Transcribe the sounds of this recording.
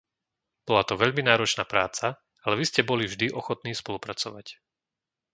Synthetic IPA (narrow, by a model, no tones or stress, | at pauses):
b̥ɔlat̪ɔʋɛʎminaːɾɔt͡ʃnaːpɾaːt͡sa | alɛʋiscɛbɔlivʒd̪iʔɔxɔt̪niːspɔlupɾat͡sɔʋac